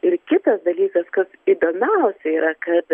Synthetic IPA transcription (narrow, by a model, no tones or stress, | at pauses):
ɪɾkʲɪt̪ɐsd̪ɐlʲiːkɐskɐsid̪oːmʲɛʊsʲɛiːɾʔɐkɐt̪